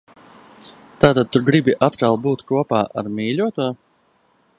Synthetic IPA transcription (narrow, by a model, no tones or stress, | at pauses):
t̪aːt̪ad̪̚t̪uɾɡɾibiʔat̪kalˠbuːt̪kuɔpaːʔa̰ɾmiːlʲuɔt̪uɔ